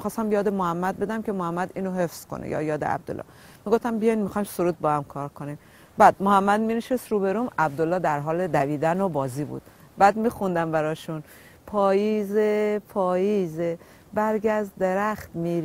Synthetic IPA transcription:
ixɒːst̪æmjɒːd̪emohæmːæd̪̚be̞d̪æmcʲʰe̞mohæmːæd̪iːnoɦe̞fz̥ko̰nḛjɒ̰ːjɒːd̪ḛæ̰b̚d̪o̰lːɒ̰ | miɡoft̪æmbijɒjnmixɒjmsoɾuːd̪̚bɒhæmkʰɒːɾkʰonim | bæd̪̥mohæmːæd̪̚miːneʃest̪ɾuːbe̞ɾuːmæb̚d̪olːɒːd̪æɾɦɒːled̪æviːd̪ænobɒːziːbṵːd̪̥ | bæːd̪miːxund̪æmbæɾɒːʃun | pʰɒːjiːzepʰɒːjiːze | bæɾɡæzd̪d̪eɾæxt̪miːɾ

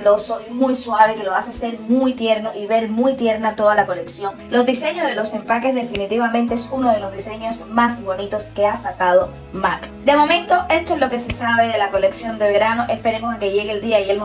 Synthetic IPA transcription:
lo̞so̞imujswaβekelo̞asese̞ɾmujt̪je̞ɾno̞ʔiβe̞ɾmujt̪je̞ɾnat̪o̞ðalako̞le̞ksjo̞ŋlo̞zðise̞ɲozðelo̞se̞mpake̞sðe̞finit̪iβamẽnt̪e̞esunoð̞e̞lo̞zðise̞ɲo̞smasiβo̞nit̪o̞ske̞asakað̞o | makd̪e̞mo̞mẽ̞nt̪o̞ʔe̞st̪oezloke̞se̞saβe̞ðe̞lako̞le̞ksjo̞nd̪e̞βe̞ɾano̞ʔe̞spe̞ɾe̞moseke̞ʝe̞ɣeld̪iaielmo

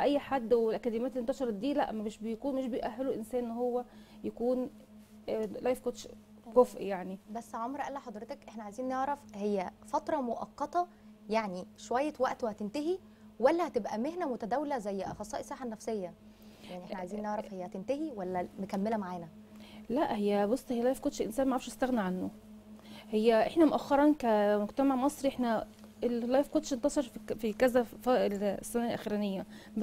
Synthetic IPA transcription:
ʔæjːħad̪ːwelʔækæd̪emjæːt̪elent̪ɑʃɑɾˤɑd̪iːlæ̰ʔmæmeʃbejkuːnmeʃbejʔæɦːæluʔensæːnʔenːɦowːæ | jækuːn | læjfkot̪ʃ | qofʔjaʕnibæsːʕomɾʔælːæħɑd̪ˤɾet̪ɑkʔeħnæʕajziːnːneʕɾˤɑfhejːæfɑt̪ɾˤɑmoʔɑ̰qːɑt̪ɑ | jaʕniʃowæjːæwæʔt̪ohæt̪ent̪æɦi | wælːæhæt̪ebʔæmehnæmot̪æd̪æwlæzæjːʔɑ̰xɑsˤɑːʔesˤːæːħanːæfsejːæ | aʕniʔeħnæʕajziːnːɑʕɾˤɑfhejːæhæt̪ent̪æhiwælːæmekæmːelæmaʕaːnæ | læʔhejːæbosˤːhejːælæjfkod̪ʃelʔensæːnmæʕafʃest̪æɣnæʕanːo | hejːæʔeħnæmoʔæxːɑɾˤɑnkæmoɡt̪æmaʕmɑsˤɾiʔeħnæ | ʔellæːjfkod̪ʃent̪ɑsˤɑɾˤffikæzæfælsːænælʔæxiːɾæːnejːæ | b

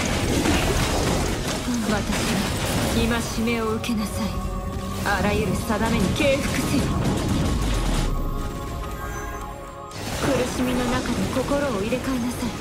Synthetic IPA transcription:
βat̪aɕiβaimaɕime̞o̞ɯ̟ke̞nasai | aɾajɯ̟ɾɯ̟sad̪ame̞ɲ̟ike̞ːɸɯ̟̥kɯ̟̥sɨɾɯ | kɯ̟ɾɯ̟ɕimʲino̞nakad̪e̞ko̞ko̞ɾo̞ːiɾe̞kaenasai

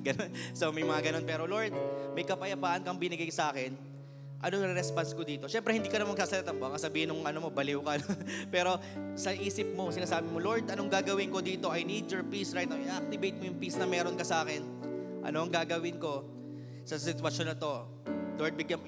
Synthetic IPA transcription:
ɡɐnonsomɐjmɐŋaɡɐno̞npɛːɾo̞lo̞ɹd̪̚mɐjkɐpɐjɐpaːʔɐnkɐŋbɪnɪɡajsɐʔaːkɛn | ʔɐnonɾɛɾɛspɐnsko̞d̪iːt̪o̞ʃɛmpɾɛhɪnd̪iːkɐnɐmɐn̚saːsɐlɐt̪ɐnboɐkɐsɐbiːhɪnʊŋʔɐnomo̞bɐlɪwkɐɐnonpɛːɾo̞sɐʔiːsɪp̚moŋsɪnaːsaːbɪmolo̞ɹd̪ʔɐno̞ŋɡaːɡɐwɪŋko̞d̪iːt̪o̞ʔɐjned͡ʒɛɹpisɹajt̪̚ɐwʔɪʔak̚t̪ɪbejt̪̚mojʊŋpisnɐmɛːɾonkɐsɐʔaːkɛn | ʔɐ̰noʔɐŋɡaːɡɐwɪnko̞ | sɐsɪt̪wɐʃo̞nɐt̪o̞ | loɹd̪̚bɪɡjɐm

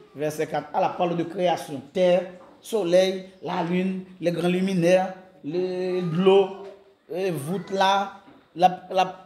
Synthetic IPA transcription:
vɛʁsɛkat̪alapalod̪əkʁeasjɔ̃t̪ɛʁ | solɛjlalynlɛɡʁãlymĩnɛʁ | lɡlo | ɛvut̪la | lala

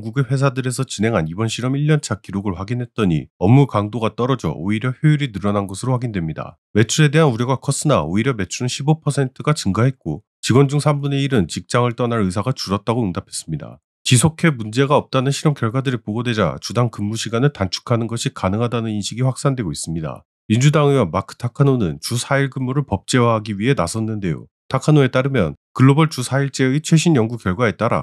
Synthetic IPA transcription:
ŋɡuɡeɸwe̞s̬ʰadɯɾe̞sʰʌt͡ɕinɦe̞ŋɦanibʌnɕʰiɾʌmiʎːʌnt͡ɕʰakiɾoɡɯɭɸwaɡinɦe̞t̚t͈ʌɲḭʌmukaŋdoɡat͈ʌɾʌd͡ʑʌ̰o̰iɾjʌɸjoiɾinɯɾʌnanɡʌsʰɯɾoɸwaɡindwe̞mɲida̰ | me̞t͡ɕʰuɾe̞de̞ɦanuɾjʌɡakʰʌs͈ɯnaoiɾjʌme̞t͡ɕʰunɯnɕʰibopʰʌsʰe̞ntʰɯɡat͡ɕɯŋɡaɦe̞t̚k͈o | t͡ɕiɡwʌnd͡ʑuŋsʰambune̞iɾɯnt͡ɕik̚t͡ɕ͈aŋɯɭt͈ʌnaɾɯs̬ʰaɡat͡ɕuɾʌt̚t͈aɡoɯŋdapʰe̞̥s͈ɯmɲida̰ | t͡ɕisʰokʰe̞mund͡ʑe̞ɡaʌp̚t͈anɯnɕʰiɾʌmkjʌɭɡwadɯɾipoɡodwe̞d͡ʑa̰t͡ɕudaŋkɯmːuɕʰiɡanɯɭtant͡ɕʰu̥kʰanɯnɡʌɕʰikanɯŋɦadanɯninɕʰiɡiɸwak̚s͈andwe̞ɡois͈ɯmɲida̰ | mind͡ʑudaŋɯwʌmakʰɯ̥tʰakʰɯnonɯnt͡ɕusʰaiɭɡɯmːuɾɯɭpʌp̚t͡ɕ͈e̞waɦaɡiɥiɦe̞nasʰʌnːɯnde̞jo̰ | tʰakʰɯnoe̞t͈aɾɯmjʌ̰nkɯɭːobʌɭt͡ɕusʰaiɭt͡ɕ͈e̞ɯit͡ɕʰwe̞ɕʰinjʌŋɡukjʌɭɡwae̞t͈aɾa̰

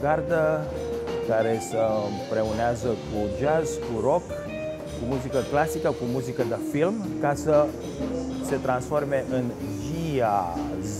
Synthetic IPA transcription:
ɡard̪ə | kaɾesəpɾeuneazəkud͡ʒazkuɾok | kumuzikəklasikəkumuzikəd̪əfilmkasə | set̪ɾansformeʔɨn | ʒiaz

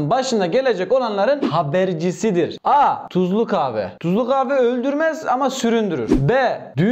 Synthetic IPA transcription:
nbaʃɯnd̪aɟe̞lʲe̞d͡ʒɛco̞lˠanlˠaɾɯnhabæɾd͡ʒisid̪iɾat̪ʰuzlˠukaːvɛ̰t̪ʰuzlˠukaːvɛølʲd̪yɾmɛzamasyɾynd̪yɾy̰ɾ̥bɛd̪y

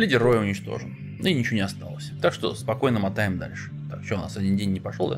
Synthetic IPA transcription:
lʲidʲɪrːojɪʊnʲɪt͡ɕt̪o̞̰ʐən | inʲɪt͡ɕɪvonʲɪɐst̪a̰lˠəsʲt̪akʂt̪o̰spɐko̞jnəmɐt̪aɪmd̪a̰lʲʂɨ̥t̪akt͡ɕona̰sɐdʲindʲenʲːɪpɐʂlolˠd̪a̰

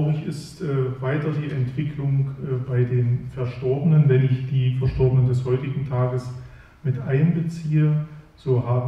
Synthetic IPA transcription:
ʊʁɪçɪstʔɛːvaɪtɐdiːʔɛntv̥ɪkʰlʊŋʔbaɪdeːnfɛɐʃtɔɐbənənvɛnɪçd̥iːfɛɐʃtɔɐbənəndɛshɔʏtɪɡŋ̩tʰaːɡəs | mɪtʔaɪnbət͡siːə | z̥oːhaːb

